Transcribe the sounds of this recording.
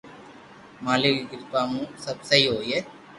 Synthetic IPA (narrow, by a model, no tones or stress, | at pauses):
maːlekiɡɪɾt̪aːmũːsəbsəɦiːɦoːieː